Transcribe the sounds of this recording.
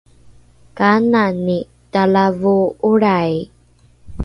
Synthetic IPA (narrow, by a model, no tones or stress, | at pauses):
kanani | talavuuɾaj